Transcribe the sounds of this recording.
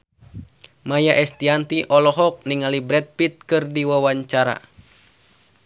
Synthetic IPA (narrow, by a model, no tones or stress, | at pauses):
majaʔɛst̪iant̪iʔɔlɔɦɔk̚niŋalibɾɛt̪̚pit̪̚kɨrdiwawaɲt͡ʃaɾa̰